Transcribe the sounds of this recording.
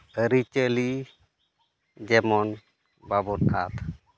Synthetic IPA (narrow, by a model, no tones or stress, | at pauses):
əɾit͡ʃəli | d͡ʒɛmɔn | babɔt̪a̰t̪